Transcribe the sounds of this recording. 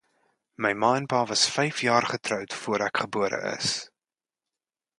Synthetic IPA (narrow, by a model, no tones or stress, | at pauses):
məjmɑːɛnpɑːvɐsfɛjfjɑːrχətrœwtfuəɾækχəbuəɾə̰ʔə̰s